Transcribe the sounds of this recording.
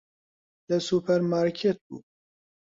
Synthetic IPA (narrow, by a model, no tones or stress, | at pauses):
d̪əsupʰɛɾmaːɾkʰet̪̚bṵː